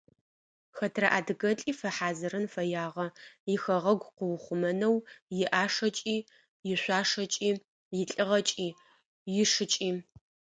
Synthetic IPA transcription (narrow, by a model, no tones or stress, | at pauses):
xɐtʰrɐʔaːdɨɡɐt͡ɬʼiːfɐħaːzɨɾɨnfɐjaːʁɐjɪxɐʁɐɡʷqʊwʊχʷʊmɐnɐwjɪʔaːʂɐt͡ʃʼiː | jɪɕʷaːʂɐt͡ʃʼiː | jɪɬʼɨʁɐt͡ʃʼiː | jɪʂɨt͡ʃʼiː